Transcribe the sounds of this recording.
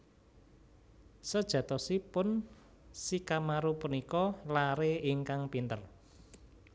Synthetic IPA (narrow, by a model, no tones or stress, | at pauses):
səd̥ʒ̥ä̤t̪ɔsipʊn | sikamaɾupunikɔlaɾeiŋkaŋpint̪ər